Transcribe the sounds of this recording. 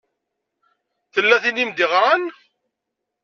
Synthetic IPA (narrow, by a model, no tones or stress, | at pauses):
θəlːæθinimd̪iʁɾan